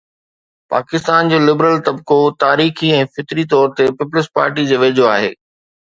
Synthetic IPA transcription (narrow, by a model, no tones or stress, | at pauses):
pa̰ːkɪst̪aːnd͡ʑoːlɪbɾəlt̪ɐbkot̪aːɾiːxiɛ̃ːfɪt̪ɾit̪̬ɔːɾt̪epɪplɪspa̰ːɾʈid͡ʑoːʋeːd͡ʑʱoaːɦḛː